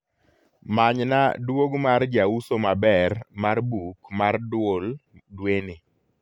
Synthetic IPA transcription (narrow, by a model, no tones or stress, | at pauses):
maɲna̰dwoɡmard͡ʒawusomabɛrmarbukmardwoldwene